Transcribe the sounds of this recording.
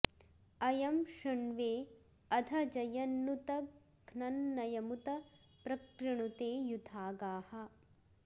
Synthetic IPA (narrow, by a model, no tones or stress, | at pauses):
ɐjɐmʂɐɳʋeː | ɐd̪ʱɐd͡ʒɐjɐnːut̪ɐ | ɡʱnɐnːɐjɐmut̪ɐ | pɾɐkɾiɳut̪eːjud̪ʱaːɡaːhɐ̆